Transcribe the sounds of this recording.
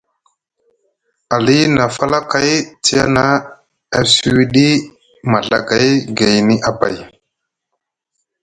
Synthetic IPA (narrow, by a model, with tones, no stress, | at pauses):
a˨li˦na˨fa˦la˦ka˦jti˦ja̰˦na˦ | a˨si˦wi˦ɗi˦ | ma˨ɮa̰˦ɡa˨jɡa˨jni˦ʔa˨ba̰˨j